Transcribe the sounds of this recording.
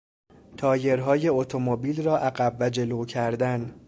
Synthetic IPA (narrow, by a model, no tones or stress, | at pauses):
t̪ʰɒːje̞ɾɦɒːje̞ot̪ʰo̞mobiːlrɒːʔæɡæbvæd͡ʒe̞loːcʰæɾd̪æn